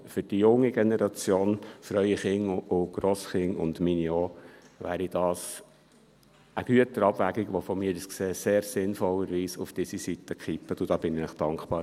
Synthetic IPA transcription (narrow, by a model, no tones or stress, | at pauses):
fʏɾd̥ijʊŋːiɡɛnɛɾɑt͡sjoːnfɾœʏiχɪŋʊʊɡ̥ɾoːsχɪŋʊ̰ndminjoːʋæ̰ːɾid̥ɑːs | əɡ̥yətəɾɑbvæɡiɡʋɔfɔmiːɾəskseːseːɾsɪnfɔlːəɾʋiːsufd̥iːsisit̪əkχipːətʊd̥ɑb̥ɪnɪnɪχd̥ɑŋkχpɑːɾ